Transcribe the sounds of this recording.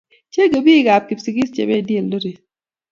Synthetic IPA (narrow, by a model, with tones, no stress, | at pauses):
t͡ʃe˦ɡo˨bi˦ɡa˨p̚ki˨psi˨ɡi˦st͡ʃḛ˨be˦˨dje˨ldo˦ɾi˨